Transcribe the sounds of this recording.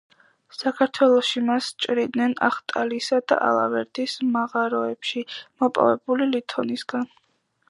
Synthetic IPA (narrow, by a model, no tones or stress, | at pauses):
sakʰaɾt̪ʰwɛlˠɔʃimast͡ʃʼɾid̪nɛna̰χt̪ʼalisad̪a̰ʔa̰lˠa̰vɛɾd̪ismaʁaɾɔɛpʃimɔpʼa̰vɛbulilit̪ʰɔnisɡan